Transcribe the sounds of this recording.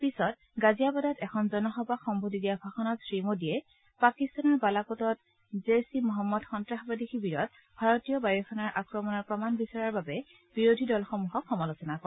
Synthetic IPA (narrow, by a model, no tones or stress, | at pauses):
pisɔt | ɡazijabɔdatɛkʰɔnzɔnɔxɔbaxɔmbʱodidijabʱaxɔnɔtsɹimodijɛ | pakistanɔɹbalakotɔt̚ | zesimɔɦamːɔdxɔntɹaɦabadikʰibiɹɔt̚ | bʱaɹɔtijɔbajɔkʰɔnaɹʔakɹɔmɔnɔɹpɹɔmanbisaɹaɹbabɛ | b̥iɹodʱidɔlxɔmuɦɔkxːɔmalosɔnakɔɛ